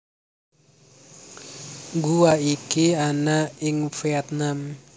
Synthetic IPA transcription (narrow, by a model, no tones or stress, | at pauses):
ɡuaikianaɪŋfiɛt̪̚nam